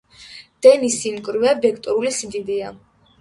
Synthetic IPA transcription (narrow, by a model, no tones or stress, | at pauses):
d̪̥ɛnisinkʼɾvɛbɛkʰt̪ʼuɾulisid̪id̪ia